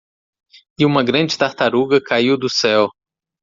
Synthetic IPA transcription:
ɪũmɐɡɾɐ̃d͡ʒɪt̪aɾt̪aɾuɡɐkaiwd̪ʊsɛw

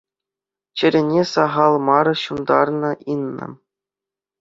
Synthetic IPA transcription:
t͡ɕɘ̆ɾʲɘ̆nʲesɑʁɑlˠmɑɾɤ̆ɕund̪ɑ̰rnɤ̆ʔinːɤ̰̆

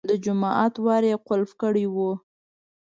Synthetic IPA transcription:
d̪əd͡ʒʊmɑʔɑt̪wɑɾeqʊlfkəɽiwu

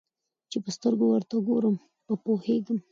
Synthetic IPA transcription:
t͡ʃepəst̪əɾɡowəɾt̪aɡoɾəm | pəpoheɡəm

